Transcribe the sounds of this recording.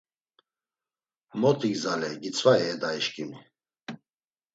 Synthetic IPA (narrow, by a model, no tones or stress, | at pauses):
mɔt̪ʰʼiɡzalɛɡit͡sʰvaɛːd̪aiʃkʼimi